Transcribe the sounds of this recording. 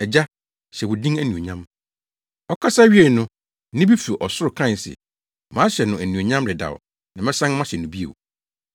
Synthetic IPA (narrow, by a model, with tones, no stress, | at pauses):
ɛ˨d͡ʑa˦ | ɕɛ˨wʊ˨dĩ˦ŋæ˨nũ˨o˨ɲã˦m | ɔ˦kʰa˦sa˦ɥi˦e˨nʊ̃˦ | nɪ̃˦bi˦fu˨ʔɔ˨sʊ˦ɾʊ˨kʰɾã˦˨sɪ̰˨ | mãː˨˦ɕɛ˨nʊ̃˨æ˨nũ˨õ˨ɲã˦mɾɪ˨da̰˨w | nã˨mɛ̃˦sã˦n˦mã˦ɕɛ˨nʊ̃˨bi˦ḛ˨w